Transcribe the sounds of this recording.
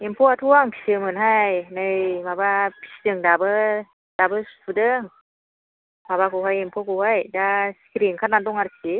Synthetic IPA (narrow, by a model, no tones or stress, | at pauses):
empʰɔatʰuaŋksɯmɯnɦajnɯjmabapʰi̥sdɯŋdabɯ | d̥abɯssʰudɯŋ | mabakɯwɦajempʰɔkɔwhajdaskʰiɾiŋkʰatnadɔŋaɾsi